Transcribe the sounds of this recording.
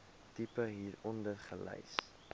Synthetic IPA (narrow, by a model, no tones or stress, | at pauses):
tipəɦiːɾɔndərχəlɛ̰js